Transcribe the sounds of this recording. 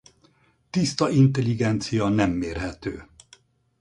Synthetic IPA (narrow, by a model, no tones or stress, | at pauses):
t̪ist̪ɒʔint̪ɛliɡɛnt̪sijɒnɛmːeːrɦɛt̪øː